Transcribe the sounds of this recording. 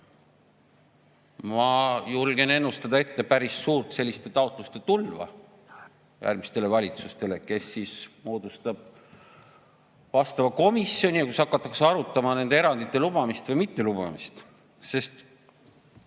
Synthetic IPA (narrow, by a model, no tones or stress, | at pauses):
mɑjulɡ̥e̞ne̞nːust̪ɑd̪̥ɑe̞t̪ːe̞pæɾisːuːrt̪se̞lʲːist̪e̞t̪ɑot̪ˑlust̪e̞t̪ulvɑ̰ | jʔæ̰rmist̪e̞le̞vɑlʲit̪sust̪e̞leke̞sːismo̞ːd̪ust̪ɑb̥̚ | vɑst̪ɑvɑko̞misːˑjo̞nʲijɑkusɑkːˑɑt̪ːˑɑkseɑɾut̪ːˑɑmɑne̞nd̪eeɾɑnd̪it̪ːe̞lub̥ɑmist̪vɯjmit̪ːe̞lub̥ɑ̰mḭst̪ | se̞st̪